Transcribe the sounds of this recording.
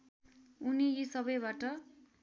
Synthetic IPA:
unijisʌbʌjbaʈʌ

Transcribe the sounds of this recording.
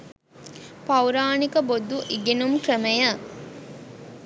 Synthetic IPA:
pɐwɾaːnikəbod̪uʔiɡenumkrəmɐjə

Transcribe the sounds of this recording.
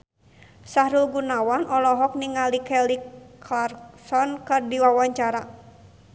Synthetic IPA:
sahɾulɡunawanʔɔlɔɦɔk̚niŋalikɛliklarksɔnkɨrdiwawaɲt͡ʃaɾa

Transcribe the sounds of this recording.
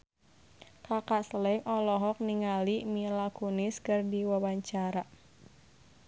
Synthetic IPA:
kakaʔsəlɛŋʔɔlɔɦɔk̚niŋalimilakuniskɨrdiwawaɲt͡ʃaɾa

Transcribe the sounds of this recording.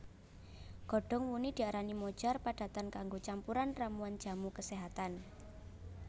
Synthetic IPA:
ɡ̥ɔ̤ɖ̥ɔ̤ŋwunid̪̥i̤aɾanimod̥ʒ̥ɔrpaɖ̥a̤t̪ankaŋɡot͡ʃampuɾanramuand̥d͡ʒ̥a̤mukəseɦat̪an

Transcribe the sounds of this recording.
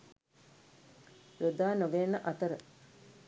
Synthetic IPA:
jod̪aːnoɡenːəʔɐt̪əɾə

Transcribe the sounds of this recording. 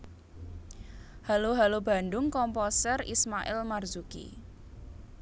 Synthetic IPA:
haloɦalob̥a̤ndʊŋkɔmpɔsərḭsmaʔɪ̰lmarz̥ukḭ

